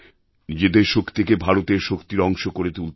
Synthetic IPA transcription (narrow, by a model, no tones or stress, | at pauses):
nid͡ʑed̪eɾʃokʰt̪ʰekebʱaɾot̪eɾʃokt̪iɾɔŋʃokoɾet̪ul